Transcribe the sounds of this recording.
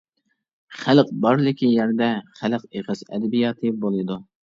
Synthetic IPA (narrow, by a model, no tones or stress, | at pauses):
χælq̚bɑɾlˠɨkʲijɛɾd̪ɛχælqeʁəsɛ̰d̪ɛbijɑːt̪ʰɨbolˠɨd̪u